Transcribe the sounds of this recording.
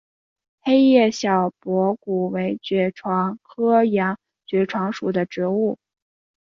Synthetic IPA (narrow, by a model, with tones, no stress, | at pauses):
xe˥ɪjɛ˥˩ɕjɑ˨˩ʊpwɔ˧˥ku˨˩we˧˥ɪt͡ɕɥɛ˧˥ʈ͡ʂʰwɑ˧˥ŋkʰɤ˥jɑ˧˥ŋ | t͡ɕɥɛ˧˥ʈ͡ʂʰwɑ˧˥ŋʂu˨˩d̪ə˦ʈ͡ʂɻ̩˧˥u˥˩